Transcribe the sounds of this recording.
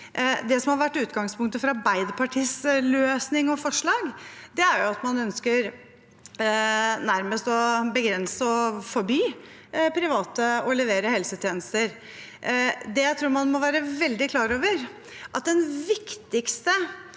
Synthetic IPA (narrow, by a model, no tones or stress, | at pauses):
d̪ɛsɔmhɑɾʋæʈːʉːt̪ɡɑŋspʰʊŋk̚t̪əfɾɑbæɪd̪pʰɑʈʰiːsløːsnɪŋɔfɔʂɭɑːɡd̪ɛæɾjʊɑt̪mɑnœnskəɾ | næɾməst̪ɔbəɡɾɛnsəɔfɔɾbyː | pʰɾɪʋɑːt̪əɔlɛʋeːɾəhɛlsət̪ʰjeːnəst̪əɾ | d̪ɛjæɪt̪ʰɾuːɾmɑnmɔʋæːɾəʋɛld̪ɪkʰlɑːɾoːʋəɾ | ʔɑt̪̚d̪ɛnʋɪkt̪ɪkst̪ə